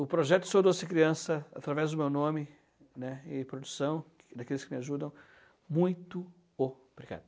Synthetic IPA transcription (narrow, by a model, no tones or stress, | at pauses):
ʊpɾoʒɛt̪ʊ̥sod̪osɪkɾiɐ̃sɐat̪ɾavɛzd̪ʊmewnõmɪ | nɛɪpɾod̪usɐ̃w̃ | d̪akelɪskɪmɪaʒud̪ɐ̃w̃ | mũj̃t̪ʊ | o | bɾika̰d̪ʊ